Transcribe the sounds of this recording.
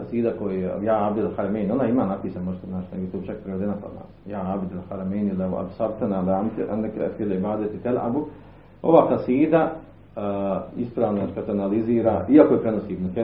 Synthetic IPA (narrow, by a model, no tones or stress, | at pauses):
asiːd̪akojejaːabd̪elhaɾameːnonaimaːnapiːsanmoʒet̪eznaːt͡ʃnebit̪oːt͡ʃak̚pɾeed̪enapa̰a̰ | jaːabd̪elhaɾameːnilea̰bsabt̪analamt̪ʔa̰nd̪kfileibaːd̪et̪it̪elʔa̰bu | oʋaːkasiːd̪a | ispɾaːʋnoakat̪oanaliziːɾaːiakojepɾenosiːbnat̪e